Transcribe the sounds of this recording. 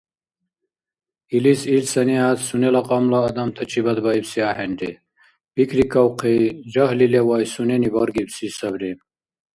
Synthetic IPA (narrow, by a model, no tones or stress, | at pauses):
ilisilsɐniat̪sunelɐqɑmlaːd̪ɐmt̪ʰɐt͡ɕʰibɐd̪baibsiaːheɳɖe | b̥ikɾikɐwqʰid͡ʑaɦlilewajsuneniboɾɡibsisɐbɾim